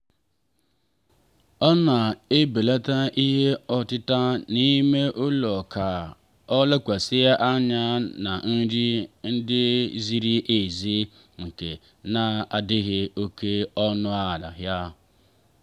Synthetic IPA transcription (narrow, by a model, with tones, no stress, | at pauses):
ɔ˦na˨e˦be˨la˦ta˦ʔi˦ɦe˦ɔ˨tɪ˦ta˦nĩ˦me˦ʔo˦lɔ˨kʰa˨ | ɔ˦la˦kʷa˨sɪ˦e˦ʔa˦ɲã˦nã˨n̩˦ɾi˦n̩˦dɪ˦zi˦ɾi˦ʔe˨zi˦ | ŋ̩˨ke˨ | nã˨a˨dɪ˦ɦɪ˦o˦kʰe˦ɔ˦nʊ̃˦a˦˨la̰˨ɦja˦